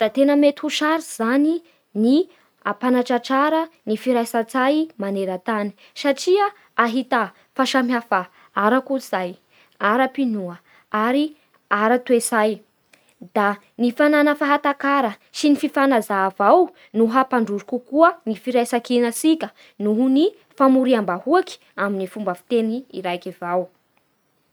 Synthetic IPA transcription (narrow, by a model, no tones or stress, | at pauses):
d̪̥at̪enəmet̪uʃaɾiz̥ani | ni | apanaʈ͡ʂaʈ͡ʂaɾənifiɾajsat͡sajmaneɾət̪ani̥ | saʈ͡ʂiaː | ɦit̪a | faʃamjafa | aɾakuz̥aj | aɾapinuə | aɾi | aɾat̪wesaj | d̪̥a | nifananəfaɦat̪akaɾə | sinififanazaːvaw | nuɦapaɳɖ͡ʐuɾukukuənifiɾajsakinəsikʲə | nuɦuni | famuɾiambahuaki̥ | aminifumbəfi̥t̪eniḭɾajkivaw